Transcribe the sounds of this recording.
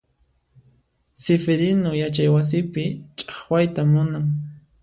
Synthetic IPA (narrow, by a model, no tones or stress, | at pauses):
sɪfeɾɪnojat͡ʃajwas̬ɪpɪt͡ʃʼɑ̥χwajt̪amʊnaŋ